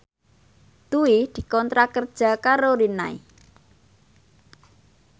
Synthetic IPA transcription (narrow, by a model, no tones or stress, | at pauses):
t̪uid̪̥i̤kɔnt̪ɾakərd̥ʒ̥a̤kaɾoɾinaḭ